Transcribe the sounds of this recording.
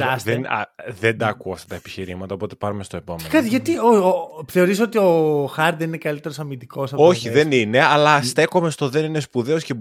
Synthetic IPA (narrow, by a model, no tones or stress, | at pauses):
ɐsðenɐ̰ðend̪ɐːkuɐft̪ɐt̪ɐepi̥çiɾimɐt̪ɐopo̞t̪e̞pɐɾume̞st̪oe̞pomekɐt̪iʝɐt̪iooθe̞o̞ɾiso̞t̪io̞xɐɾt̪ðeninekɐlit̪e̞ɾosɐmind̪iko̞sɐo̞çiðe̞nine̞ɐlɐst̪e̞ko̞me̞st̪o̞ðe̞nine̞spuðeo̞sce̞